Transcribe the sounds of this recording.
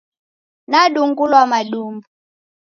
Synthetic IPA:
naɗuŋɡulwamaɗumbu

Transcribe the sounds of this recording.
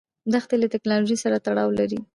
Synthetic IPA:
d̪axt̪elat̪ɪknɑloʒisaɾat̪aɽɑwlaɾi

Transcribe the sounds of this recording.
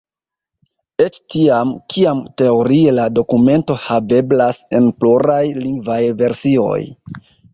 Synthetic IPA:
e̞t͡ʃtiamkʰiamte̞o̞ɾie̞lado̞kume̞nto̞have̞blase̞npluɾajliŋɡvajve̞ɾsio̞̰j

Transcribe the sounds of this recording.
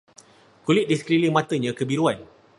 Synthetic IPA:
kulɪʔ̪̚diskɾilimãt̪əɲãkəbiɾuan

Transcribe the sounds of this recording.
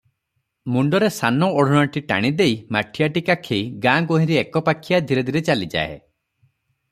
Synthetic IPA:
muɳɖɔɾesanɔɔɽ̤ɔɽ̃ɔʈiʈa̰ɽ̃id̪ejmaʈʰijaʈikakʰeiɡãɡoɦĩɾiekɔpakʰːijad̪ʱiɾed̪ʱiɾet͡ʃalid͡ʒa̰ḛ

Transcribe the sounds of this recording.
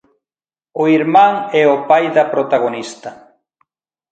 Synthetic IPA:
ʊiɾmãŋɛʊpajðɐpɾot̪aɣonist̪ɐ

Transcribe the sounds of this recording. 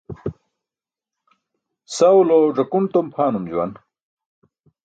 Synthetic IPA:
sɐwloʐɐkumt̪ompʰaːnumd͡ʑuwɐ̰n

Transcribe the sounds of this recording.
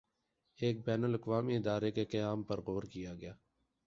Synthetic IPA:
eːk̚bɛːnəlɐqʋaːmiɪd̪aːɾekeqɐjaːmpɐɾɣoːɾkijaɡɐjaː

